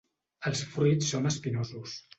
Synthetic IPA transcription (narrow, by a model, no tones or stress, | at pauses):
əlˠsfɾusːonəspinozus